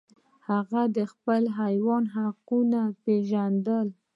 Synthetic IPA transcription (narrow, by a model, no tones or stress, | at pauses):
haɣad̪əxpəlɦajwɑnɦaqunapeʒand̪əl